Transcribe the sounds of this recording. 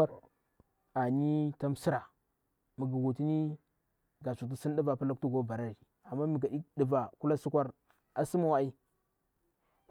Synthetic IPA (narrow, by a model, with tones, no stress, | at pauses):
a˦ | a˨ni˦ta˦msi˦ɾa˨ | mi˨ɡi˨ɡu˨ti˦ni˦ | ɡa˨su˨t̬i˦si˦n˦di˦va˨pa˦la˦k̚tu˦ɡo˦˨ba˨ɾa˦ɾi˨ | a˨mːa˦m˨ɡa˨i˦ɗi˨va˨ku˦la˦su˦kʷa˦ɾ | a˨si˦ma˦˨wa˦i˦